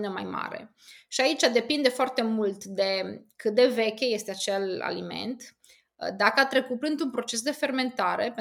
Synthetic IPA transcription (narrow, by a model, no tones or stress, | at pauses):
nəma̰jma̰ɾe̞̰ | ʃiait͡ʃʲad̪e̞pind̪e̞foart̪e̞mult̪d̪e̞kɨt̪d̪e̞ve̞kʲeje̞st̪e̞at͡ʃela̰lime̞̰nt̪ | d̪akəat̪ɾe̞kuplɨnd̪unpɾo̞t͡ʃe̞s̬d̪e̞fe̞rme̞nt̪aɾe̞pe